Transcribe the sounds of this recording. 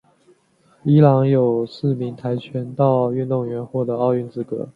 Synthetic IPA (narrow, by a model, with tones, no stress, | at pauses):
i˧˥lɑ˧˥ŋjo˨˩ʊsɹ̩˥˩mi˧˥ŋt̪ʰa˧˥ɪt͡ɕʰɥɛ˧˥nt̪ɑ˥˧ʊy˥˧nt̪ʊ˥˩ŋɥɛ˧˥nxwɔ˥˩d̪ə˧˦ɑ˥˧ʊy˥˧nt͡sɹ̩˥˩kɤ̰˧˥